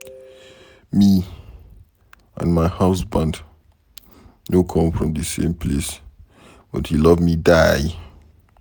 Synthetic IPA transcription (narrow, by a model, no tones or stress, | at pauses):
mi | ã̰nmaɪhaʊsbãnd | nokʰʌ̃mfɹɔ̃mðɨsḛ̃mpʰles | b̥ɔthilʌvmidaj